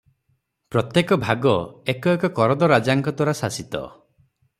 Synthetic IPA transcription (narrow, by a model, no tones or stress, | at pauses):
pɾɔt̪jekɔbʱaɡɔekɔekɔkɔɾɔd̪ɔɾad͡ʒaŋkɔt̪wɔɾasasit̪ɔ̰